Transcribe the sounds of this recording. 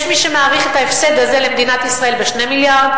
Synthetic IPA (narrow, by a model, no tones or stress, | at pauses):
ʃmiʃemeaʁiχet̪aefsed̪azelemd̪inat̪isʁae̞lbeʃnemiljaʁd̪